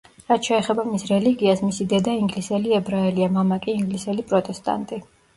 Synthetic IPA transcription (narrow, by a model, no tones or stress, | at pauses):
ɾat̪ʰʃɛːχɛbamisɾɛliɡiasmisid̪ɛd̪aiŋɡlisɛliɛbɾaɛliamamakʼiiŋɡlisɛlipʼɾɔt̪ʼɛst̪ʼa̰nt̪ʼi